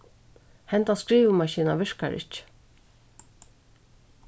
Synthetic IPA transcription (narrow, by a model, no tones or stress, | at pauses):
hɛnt̪askɹiːʋəmɑʃiːnaʋɪɹkaɹʔɪ̰t͡ʃ